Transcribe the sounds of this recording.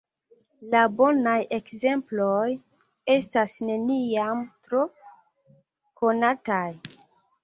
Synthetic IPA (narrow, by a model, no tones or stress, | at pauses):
labo̞naje̞kze̞mploj | e̞stasne̞niamtɾo | konataj